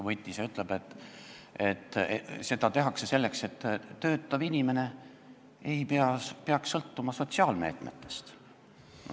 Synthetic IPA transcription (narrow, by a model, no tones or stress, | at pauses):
vɤjt̪ʲːˑiseyt̪ˑlebet̪ː | et̪ːse̞d̪ɑt̪e̞ɦɑkse̞se̞lːe̞kse̞t̪ːø̞ːt̪ˑːɑvinʲime̞ne̞ | ejpeɑpeɑksːɤlt̪ːumɑso̞t̪ʲsiɑːlme̞̰ːt̪me̞t̪ːˑe̞̥st̪